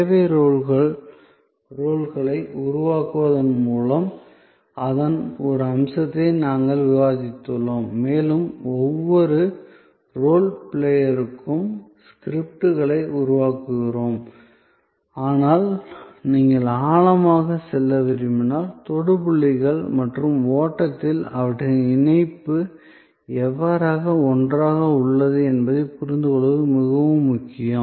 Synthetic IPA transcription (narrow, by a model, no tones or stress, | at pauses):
eʋeɾoːɭɣɐɭ | ɾoːɭɣɐɭɐɪʊɾʊʋaːkɯʋɐðɐnmuːlɐm | ɐðɐnɔɾɯɐmsɐt̪ːɐnaːŋɡɐɭʋɪʋaːðɪt̪ːɯloːmːeːlɯmɔʋːɔɾɯ | ɾoːlpɪɭejɐɾɯkːɯmskɪɾɪp̚ʈɯɣɐɭɐɪʊɾʊʋaːkɯɣɪɾoːm | aːnaːlniːŋɡɐɭaːɭɐmaːɣɐsɛlːɐʋɪɾɪmɪnːaːlt̪ɔɽɯpʊɭːɪɣɐɭmɐʈrɯmoːʈːɐt̪ːɪlɐʋɐʈːɯɪnɐɪpːɯ | ɛʋːaːɾaːɣɐɔndraːɣɐʊɭːɐðɯɛnbɐðɐɪpʊɾɪnd̪ɯkɔɭɯʋɯmɪɣɐʋɯmːʊkːɪjɐ